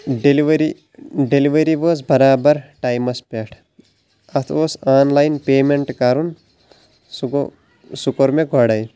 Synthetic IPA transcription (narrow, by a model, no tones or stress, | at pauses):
ɖeliʋɾi | ɖeliʋɐɾiʋoːzbɐɾaːbɐɾʈaːjmɐspeʈʰ | ɐt̪ʰʋoːsaːnlajnpeːmeɳʈkaɾun | sukoɾmeɡʱɔɽɐj